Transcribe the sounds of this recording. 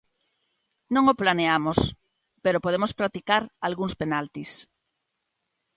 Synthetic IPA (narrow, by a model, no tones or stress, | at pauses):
nõŋoplaneamos | peɾopoð̞emospɾat̪ikaɾalɣuŋspenalt̪is